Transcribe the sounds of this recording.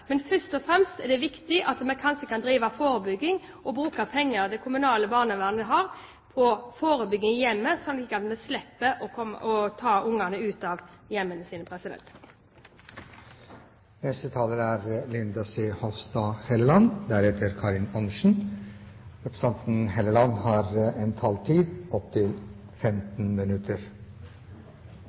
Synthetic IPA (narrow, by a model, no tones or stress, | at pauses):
mɛnfœst̪ɔfɾɛmst̪ɛd̪ɛʋɪkt̪ɪʔɑt̪mɛkʰɑnʃəkʰɑnd̪ɾiːʋɑfoːɾəbʏɡːɪŋ | ʔɔbɾʉːkɑpʰɛŋːəʁd̪ɛkʰʊmʉnɑːləbɑːʁnəʋæʁnɛɦɑʁ | pʰɔfoːɾəbʏɡːɪŋjɛmːəsɔnliːkːɑt̪mɛslɛpːəʔɔkʰɔmɔt̪ʰɑːʔʊŋɑnəʉːt̪ɑʋjɛmːənəsiːnəpʰɾɛsɪd̪ɛ̰nt̪ | nɛst̪ət̪ʰɑːləɾæːɾlɪnd̪ɑsehɔʋst̪ɑhɛləlɑnd̪æɾɛt̪ʰəɾkʰɑɾɪnɑnʃn̩ | ɾɛpɾə̥sɛnt̪n̩hɛləlɑnːhɑːɾɛnt̪ʰɑːlt̪ʰiːd̪ɔpt̪ʰɪlfɛmt̪n̩mɪnʉt̪ʰəɾ